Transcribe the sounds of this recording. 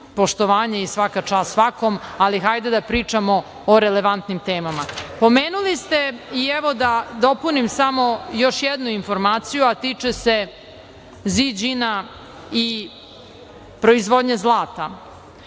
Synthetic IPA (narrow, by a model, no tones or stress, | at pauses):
po̞ʃt̪oʋaːɲeisʋakat͡ʂaːsʋako̞malixajd̪ed̪apɾiːt͡ʂamoː | ɾele̞ʋant̪nimt̪eːmamapo̞meːnulist̪e̞iɛʋod̪ad̪o̞punimsamo̞joʃjed̪nuinfo̞ɾmaːt̪sijuat̪iːt͡ʂese̞ | zid͡ʑina | i | pɾo̞izʋod̪ɲezlˠaːt̪a